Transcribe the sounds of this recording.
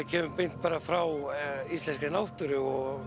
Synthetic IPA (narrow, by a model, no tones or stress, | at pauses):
ɪcʰɛːmʏmpejn̥t̪̚paːɾafɾawist̪lɛnskɪnawht̪ʏɾɪɔɣ